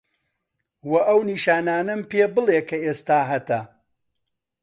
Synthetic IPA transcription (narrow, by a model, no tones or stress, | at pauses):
wɐʔɐwniʃaːnaːnɐmpeːbɨlˠeːkʰɐeːst̪aːɦɐt̪ɐ